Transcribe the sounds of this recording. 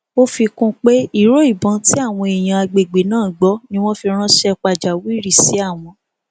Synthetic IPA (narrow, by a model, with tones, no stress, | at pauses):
o˦fi˧kũ˦k͡pe˦i˦˨ɾo˦i˦˨bɔ̃˨˦ti˦a˦˨w̃ɔ̃˧e˨j̃ã˧a˧ɡ͡be˨ɡ͡be˨nãː˦˨ɡ͡bɔ˨˦nĩ˦w̃ɔ̃˦fi˧ɾ̃ã˦ʃɛ˧k͡pa˨d͡ʒa˨wi˦ɾi˦˨si˨˦a˦˨w̃ɔ̃˧